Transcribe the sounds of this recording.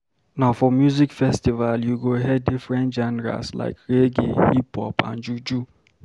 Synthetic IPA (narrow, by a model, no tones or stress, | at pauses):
naʊfɔmjuzikfɛstivaljuɡoɦɛdifɹɛ̃ntd͡ʒanɛɹa̰sla̰ɪkɹeɡḭhipɔ̰pã̰nd͡ʒud͡ʒu